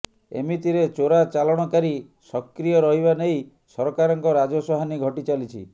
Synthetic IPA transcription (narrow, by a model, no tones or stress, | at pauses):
ḛmit̪iɾet͡ʃoɾat͡ʃalɔɽ̃ɔkaɾi | sɔkɾijɔɾɔɦiβanej | sɔɾɔkaɾɔŋkɔɾad͡ʒɔsɔɦaniɡʱɔʈit͡ʃalit͡ʃʰḭ